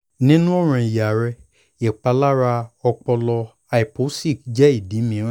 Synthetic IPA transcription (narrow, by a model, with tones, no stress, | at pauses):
nĩ˦nũ˦ɔ˦˨ɾ̃ã˨i˨ja˨ɾɛ˧ | e˨k͡pa˧la˦ɾa˧ɔ˧k͡pɔ˧lɔ˧ | a˧i˨po˨˦si˦˨kd͡ʒɛ˦i˦˨dĩ˨˦mĩ˧˦ɾã˦